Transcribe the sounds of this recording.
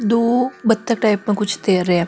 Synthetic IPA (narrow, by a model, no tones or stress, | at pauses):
d̪oːbɐt̪ːək̚ʈaːɪpmẽkʊt͡ʃʰt̪eːɾəɛ̃ː